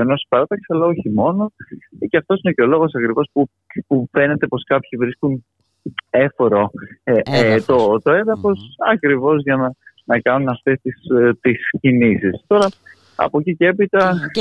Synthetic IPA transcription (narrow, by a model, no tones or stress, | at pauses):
eno̞si̥pɐɾɐt̪ɐksiɐlɐo̞çimo̞no̞ceɐft̪o̞sine̞ceolo̞ɣo̞sɐkɾivo̞spu | pufe̞ne̞t̪e̞po̞skɐpçivɾiskun | e̞foɾoet̪o̞t̪o̞e̞nðɐfo̞sɐkɾivo̞zʝɐnɐ | nɐkɐnunɐft̪e̞st̪ist̪iscinisist̪o̞ɾɐ | ɐ̰po̞cicee̞pit̪ɐ